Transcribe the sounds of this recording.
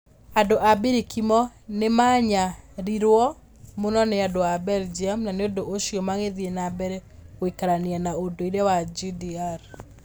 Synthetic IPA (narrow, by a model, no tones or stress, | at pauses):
adoʔabiɾikimɔnemaɲaɾiɾwɔ | monɔneadoabɛld͡ʒiamnaneodoʔoʃiɔmaɣeðienabɛɾɛoikaɾaneanaodoiɾɛwad͡ʒidiaɾ